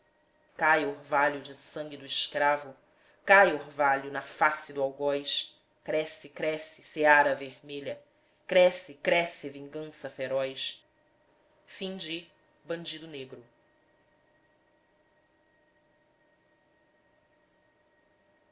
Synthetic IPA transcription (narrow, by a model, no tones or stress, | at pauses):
kajoɾvaʎʊd͡ʒɪsɐ̃ŋɡʲɪd̪ʊɪʃkɾavʊ | kajoɾvaʎʊnɐfasɪd̪ʊawɡɔjʃ | kɾɛsɪkɾɛsɪ̥seaɾɐveɾmeʎɐ | kɾɛsɪkɾɛsɪvĩŋɡɐ̃sɐfeɾɔjʃ | fĩd͡ʒɪ | bɐ̃d͡ʒid̪ʊneɡɾʊ